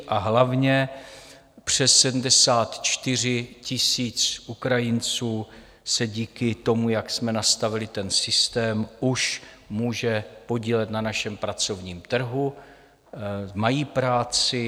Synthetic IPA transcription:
ʔaɦlavɲɛ | pr̝̥ɛsːɛdm̩dɛsaːt̪t͡ʃt̪ɪr̝ɪcɪsiːt͡sʔukɾajɪnt͡suː | sɛɟiːkɪt̪o̞mujaksmɛnast̪avɪlɪt̪ɛnsɪst̪ɛːmuʃ | muːʒɛpo̞ɟiːlɛt̪nanaʃɛmpɾat͡so̞vɲiːmt̪r̩ɦu | majiːpɾaːt͡sɪ

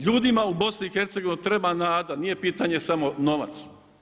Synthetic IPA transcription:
ʎuːd̪imaubo̞sniixeɾt̪seɡo̞ʋinut̪ɾe̞banaːd̪anije̞piːt̪aɲe̞samono̞ʋa̰t̪s

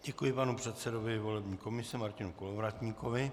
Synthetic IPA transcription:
ɟ̥ɛkujɪpanupr̝̥ɛt̪sɛdovɪvo̞lɛbɲiːko̞mɪsɛmaɾcɪnukolovɾat̪ɲiːko̞vɪ

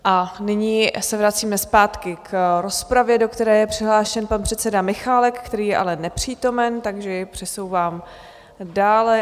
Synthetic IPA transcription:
ʔanɪɲiːsɛvɾat͡siːmɛspaːt̪kɪkɾo̞spɾavjɛdo̞kt̪ɛɾɛːjɛpr̝̥ɪɦlaːʃɛnpanpr̥ɛt̪t͡sɛdamɪxaːlɛkːt̪ɛɾiːjɛʔa̰lɛnɛpr̝̥iːt̪o̞mɛnt̪aɡʒɛjɪpr̝̥ɛsowvaːm | daːlɛ

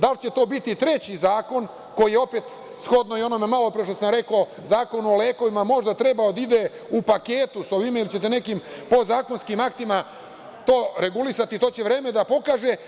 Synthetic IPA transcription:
d̪alt͡ɕe̞t̪o̞ːbit̪it̪ɾe̞t͡ɕizaːko̞n | ko̞jijeo̞pet̪ | sxo̞d̪noio̞nomemalo̞pɾeʃ̬t̪osamɾe̞ko | zaːko̞nuoleːko̞ʋimamo̞ʒd̪at̪ɾe̞baod̪aid̪e̞ | upake̞ːt̪uso̞ʋimailit͡ɕe̞t̪ene̞kimpo̞zaːko̞nskimakt̪ima | t̪o̞ːɾe̞ɡulisat̪it̪o̞ːt͡ɕeʋɾe̞ːme̞d̪apo̞kaːʒe

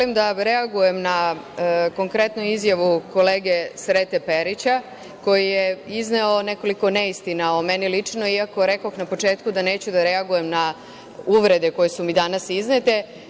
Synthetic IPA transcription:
olimd̪aɾeaɡuje̞mna | ko̞ŋkɾe̞t̪nuizjaʋuko̞leːɡe̞sɾet̪e̞pe̞ɾit͡ɕa | ko̞jijeizneo̞ne̞ko̞liko̞neist̪inaomenilit͡ʂno̞iako̞ɾe̞koxnapo̞t͡ʃe̞ːt̪kud̪ane̞ːt͡ɕud̪aɾe̞aɡuje̞mna | uʋɾe̞d̪e̞ko̞jesumid̪anasiznet̪e̞

